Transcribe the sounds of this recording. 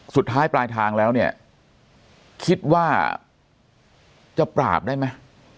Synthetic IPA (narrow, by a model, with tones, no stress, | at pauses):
su˨˩t̪ʰːaː˦˥jplaː˧jt̪ʰaː˧ŋlɛː˦˥wni˥˩ɐ | kʰi˦˥t̪̚waː˥˩ | t͡ɕa˨˩pɾa̰ː˨˩p̚daː˥˩jma˦˥j